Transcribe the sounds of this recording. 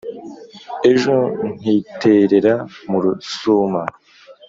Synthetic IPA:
eʒon̥itʰeɾeɾamuɾusuma

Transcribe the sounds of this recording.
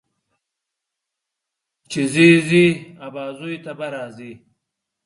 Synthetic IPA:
t͡ʃiziziabaːzujt̪abɐɾaːzi

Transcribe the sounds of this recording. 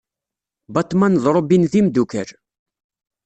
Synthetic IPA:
bɑt̪ˤmænðˤɾˤobinðimd̪ukəɾ

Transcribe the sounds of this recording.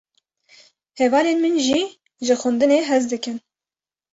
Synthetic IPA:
hɛvɑːlenmɨnʒiː | ʒɨxʊnd̪ɨneːɦɛzd̪ɨkɨn

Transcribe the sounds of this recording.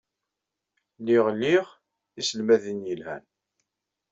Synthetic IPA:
liʁliʁ | isəlmæðənjəlhæ̰n

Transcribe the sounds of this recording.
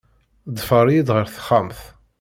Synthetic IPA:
d̪ˤfəɾˤjid̪ʁəɾθə̥χamθ

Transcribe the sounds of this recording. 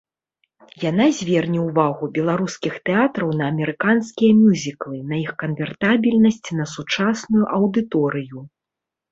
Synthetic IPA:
janazʲvʲɛrnʲɛwvaɣubʲɛlˠaɾuskʲixt̪ɛat̪ɾɐwnɐːmʲɛɾɨkanskʲijɐmʲuzʲiklˠɨnɐixkɐnvʲɛrt̪abʲilʲnɐsʲt͡sʲnɐsut͡ʂasnujuʔɐwd̪ɨt̪ɔɾɨju

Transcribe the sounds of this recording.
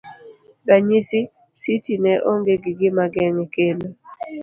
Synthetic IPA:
baɲisi | sitinɛʔoŋɡeɡɪɡɪmaɡɛŋɛkeno

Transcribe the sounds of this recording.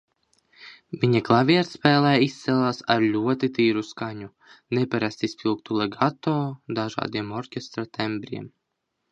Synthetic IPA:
vʲiɲaklˠavʲiɛt̪spʲɛːlˠɛjist̪sʲɛlˠaːsaɾlʲuɔt̪it̪ʲiːɾuskaɲu | nɛpʲaɾast̪ispʲilˠkt̪ulˠɛɡat̪oːd̪aʒa̰ːd̪iɛmɔɾkʲest̪ɾat̪ʰɛmbʲɾʲḭɛm

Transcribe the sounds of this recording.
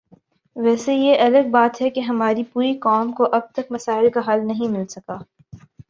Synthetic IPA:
ʋɛːsejeʔɐləɡ̚baːt̪ɦɛkeɦɐmaːɾipuːɾikɔːmkoʔɐb̚t̪ɐk̚mɐsaːɪlkaɦɐlnɐɦĩmɪlsɐkaː

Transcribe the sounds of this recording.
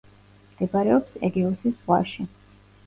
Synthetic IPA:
md̪̥ɛbaɾɛɔpsɛ̰ɡɛɔsisʁwa̰ʃi

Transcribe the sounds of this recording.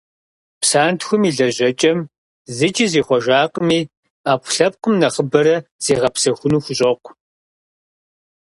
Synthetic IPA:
psaːntxʷʊmiːɮɐʑɐt͡ʃʼɐm | zɨt͡ʃʼiziːχʷɔʒaːqəmiː | aːpʷʊɬɐp̚qʷʊmnɐχəbɐɾɐz̥iːʁɐpsɐxʷʊnuːxʷʊɕʼɐqʷ

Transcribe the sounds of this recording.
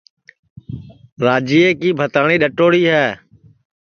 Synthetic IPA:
ɾaːd͡ʒiːeːkiːbʱət̪aːɳ̃iːɗəʈoːɽiːɦɛː

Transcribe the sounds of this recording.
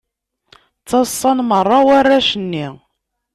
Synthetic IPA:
t͡sːɑsˤːɑnmərˤːɑwarːaʃənːi

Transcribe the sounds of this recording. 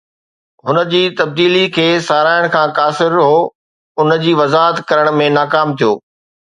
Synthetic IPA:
ɦʊnə̆d͡ʑiːt̪ɐb̚d̪iːlikʰeːsaːɾaːɪɽ̃kʰãːkaːsɪɾɦoː | ʊnəd͡ʑiːʋɐzaːɦət̪kɐɾəɽ̃mẽnaːkaːmt̪ʰijo̰ː

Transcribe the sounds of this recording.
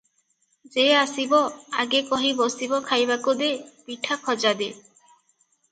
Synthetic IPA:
d͡ʒeasibɔa̰ɡekɔɦibɔsibɔkʰajbakud̪epiʈʰakʰɔd͡ʒad̪e

